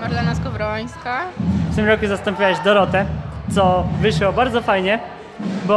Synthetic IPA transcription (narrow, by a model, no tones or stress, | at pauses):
maɾlanaskɔvɾɔj̃skaft̪ɘmɾɔkuzast̪ɔmpʲiwɛʑd̪ɔɾɔt̪ɛt̪sɔvɘʂɔbaɾd̪zɔfajɲɛ | bɔ